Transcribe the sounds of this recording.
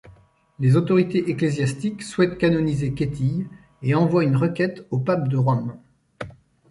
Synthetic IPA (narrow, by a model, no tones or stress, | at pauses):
lezot̪ɔʁit̪eʔeklezjast̪ikswɛt̪kanɔnizekʲet̪ʰij | eɑ̃vwaynʁəkʲɛt̪opap̚d̪əʁɔm